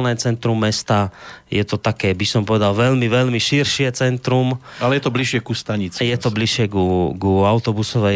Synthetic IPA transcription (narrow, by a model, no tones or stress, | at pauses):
lnɛːt͡sɛnt̪ɾumːɛst̪ajɛt̪ɔt̪akɛːbisɔmpɔʋɛd̪alʋɛlmiʋɛlmiʃiɾʃɪɛt͡sɛnt̪ɾumalɛjɛt̪ɔbliʃɪɛkust̪aɲit͡sjɛt̪ɔbliʃɪɛkuɡuaʊt̪ɔbusɔʋɛ